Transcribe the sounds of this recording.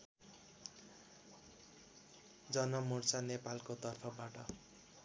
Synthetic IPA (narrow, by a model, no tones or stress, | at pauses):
d͡zʌnʌmurt͡sanepalkot̪ʌrpʰʌbaʈʌ